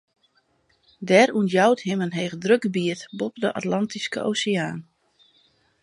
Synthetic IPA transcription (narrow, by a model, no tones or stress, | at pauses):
dɛɾunjawtɦɪmənɦeːɣdrøɡəbiətbɔpdəʔa̰tlɑntiskə̰ʔo̰wseaːn